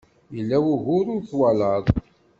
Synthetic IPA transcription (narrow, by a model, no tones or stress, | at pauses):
jəlːæwʊʝʊɾʊɾθwaləðˤ